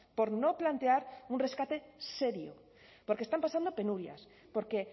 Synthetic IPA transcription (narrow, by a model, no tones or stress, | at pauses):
poɾnoplant̪eaɾunre̞skat̪eseɾjo̰ | poɾkest̪ampasand̪ope̞nuɾja̰s | poɾke